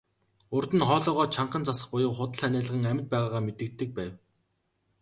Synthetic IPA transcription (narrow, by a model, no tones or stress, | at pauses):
ʊrt̪ə̆nχɔːɮɔːʁɔːt͡ɕʰaɴɢə̆nt͡sasə̆χpʊjʊ̆wχʊt̪ə̆ɮænæːɮə̆ʁə̆ŋæmʲɪ̆t̪̚pæːʁaːʁaːmet̪ɘ̆k̚t̪ːɘ̆k̚pæːw